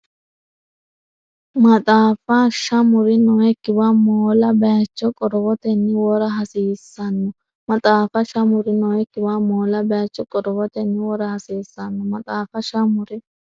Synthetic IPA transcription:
mɐt̪ʼaːfɐʃɐmʊɾɪnɔɛkːɪbamoːlɐbɐjɐt͡ʃːɔkʼɔɾɔbɔt̪ɛnːɪwɔɾɐɦɐsiːsːɐnːɔ | mɐt̪ʼaːfɐʃɐmʊɾɪnɔɛkːɪbamoːlɐbɐjɐt͡ʃːɔkʼɔɾɔbɔt̪ɛnːɪwɔɾɐhɐsiːsːɐnːɔmɐt̪ʼaːfɐʃɐmʊɾɪ

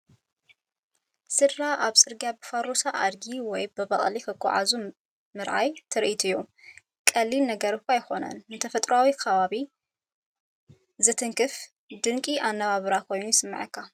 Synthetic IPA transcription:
sɨdːaʔaβsʼɨɾɡjabɨfaɾosaʔa̰d̪ɡiwɔjbɨβɐχʼlikʰɐkʰːɔ̰ʕa̰zu | mɨɾʕa̰jt̪ʰɨɾʔit̪ʰujːu | kʼɐlːilnɐɡɐɾɨkʷajxo̞nɐ̰nːɨt̪ʰɐfɐt̪ʼɾuawikʰɐβaβi | zɨt̪ʰɨŋkʰɨf | d̪ɨŋkʼiʔanːɐβaβɨɾakʰo̞jnujsɨmːɨ̰ʕɨkʰːa

